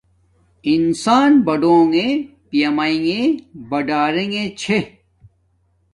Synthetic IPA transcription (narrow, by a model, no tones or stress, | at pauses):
insaːnbɐɖõːŋe | pjɐmaĩŋɡebɐɖaːɾẽŋẽt͡ɕʰe